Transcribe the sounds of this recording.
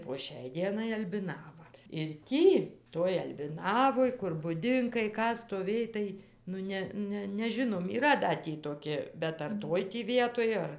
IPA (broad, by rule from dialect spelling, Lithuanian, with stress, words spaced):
poː ˈʃʲɛɪ ˈdʲiɛnɐɪ ɐlʲbʲɪˈnɑːʋɐ ɪr ˈtʲiː toːj ɐlʲbʲɪˈnɑːʋoːj kʊr bʊˈdʲɪŋkɐɪ ˈkɑː stoːˈʋʲeːj tɐɪ nʊ ˈnʲɛ ˈnʲɛ nʲɛˈʒʲɪnoːm iːˈrɐ dɐ ˈtʲiː toːˈkʲɪ bʲɛt ɐr ˈtoːj tʲiː ˈʋʲiɛtoːj ˈɐr